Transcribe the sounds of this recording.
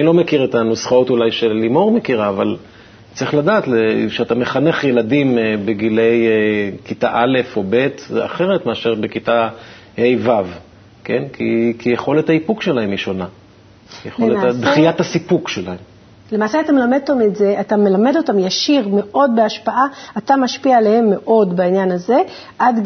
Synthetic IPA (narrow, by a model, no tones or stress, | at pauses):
anilo̞mekiʁet̪anusχao̞tulajʃelimo̞ʁme̞kiʁaːval | t͡sʁiχladaːtleʃeatameχane̞χje̞ladimbeɡile̞jekitaʔale̞fo̞be̞ta̰χe̞ʁetmeaʃeʁbe̞kita | hejvav | ke̞nkʰḭkijeχo̞lethaipukʃelahe̞miʃona | jeχoletad̪χijatasipukʃelahem | le̞maːseat̪amelamed̪otametzeʔatame̞lame̞do̞tamjaʃiʁme̞ʔo̞d̚beaʃpaʔaatamaʃpialehe̞mːe̞ʔo̞dbainjanaze̞ | ʔad